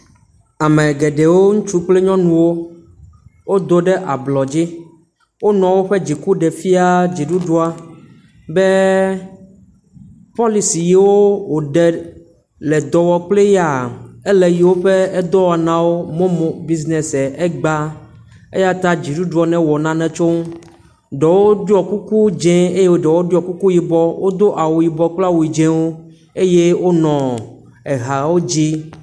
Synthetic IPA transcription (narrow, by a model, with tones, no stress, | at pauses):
a˨mɛ̃˨ɡɛ˨ɖe˨wo˦ŋũ˦t͡ʃu˦k͡ple˦ɲɔ̃˦nũ˨wo˦ | wo˦d̪o˦ɖɛ˦ʔa˨blɔ˨d͡ʑi˦ | wo˦nɔ̃˨wo˦ɸe˦d͡ʑi˨ku˦ɖɛ˨fi˦a˦d͡ʑi˨ɖu˦ɖu˦a˦ | bɛ˦ | pɔ˦li˨si˨ji˦wo˦wo˨ɖɛ˨ | lɛ˨d̪ɔ˨wɔ˨k͡ple˦ja˨ɛ˦lɛ˨ji˨wo˦ɸe˦ɛ˦d̪ɔ˦wa˨nã˨wo˦mɔ̃˦mɔ̃˨bi˦znɛ˨sɛ˨ʔɛ˦ɡ͡ba˦ | ḛ˦ja˦t̪a˦d͡ʑi˨ɖu˦ɖu˨ɔ˨nɛ̃˦wɔ˨nã˨nɛ̃˨t͡ʃo˦ | ɖɛ˨wo˦o˦du˦ɔ˨ku˦ku˦d͡ʒɛ̃˦e˦je˦wo˦ɖɛ˨wo˦du˦ɔ˨ku˦ku˦ji˨bɔ˦wʔo˦d̪o˦ʔa˨wu˨ji˨bɔ˦k͡pla˦wu˨i˨d͡ʒɛ̃˦wo˦ | e˦je˦wo˦nɔ̃˨ | ɛ˨ɦa˨wo˦d͡ʑi˦